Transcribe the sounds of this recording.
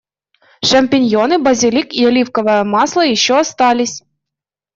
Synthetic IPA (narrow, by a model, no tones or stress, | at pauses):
ʃɐmʲpʲinʲjɔnɪbɐzʲɪlʲikiɐlʲiwkɔʋɐjɛmɑslˠɐjiʃːɔːst̪ɑlʲisʲ